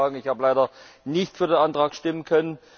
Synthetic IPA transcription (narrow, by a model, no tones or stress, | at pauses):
aːɡŋ̩ɪçhaːbəlaɪdɐnɪçtfyːɐdeːnʔantʁ̥aːkʃtɪmənkʰœnən